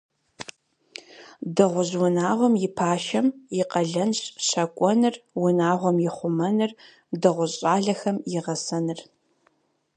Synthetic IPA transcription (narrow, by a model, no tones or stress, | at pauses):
dɨʁʷʊʑwʊnaːʁʷɔmjɪpʰaːʃɐmjɪqɐɮɐnɕʼɕɐkʷʼɔnɨrwʊnaːʁʷɔmjɪχʷʊmɐnɨr | dɨʁʷʊɕʼaːɮɐxɐmjɪʁɐsɐnɨr